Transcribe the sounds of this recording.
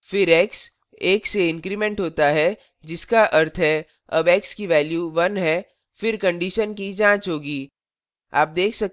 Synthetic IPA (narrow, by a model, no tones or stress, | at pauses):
fɪɾɛːks | eːkseɪ̃ŋkɾimẽːɳʈɦoːt̪aɦɛ | d͡ʒɪskaʔɐɾt̪ʰɦɛ | ɐ̰bɛːkskiʋɛːljuʋɐnɦɛ | fɪɾkɐ̃ɳɖiːʃənkid͡ʒãːt͡ʃɦoːɡiː | a̰ːp̚d̪eːkʰsɐk̚